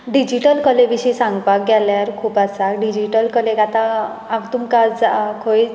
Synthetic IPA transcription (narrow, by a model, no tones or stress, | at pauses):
ɖid͡ʑiʈəlkəlebiɕisãŋɡpak̚ɡɛljaɾkʰuːpasakɖid͡ʑiʈəlkəlekat̪aː | mt̪umkad͡zakʰoj